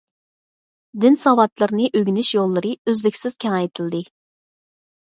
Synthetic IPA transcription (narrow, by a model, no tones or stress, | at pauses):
d̪ɪnsɑwɑt̪lˠɨɾnɨʔøɡʲinɪʃjolˠːɨɾɨøzlɪkʲsɪz̥kʲʰɛŋɛjt̪ʰɪlˠd̪ɨ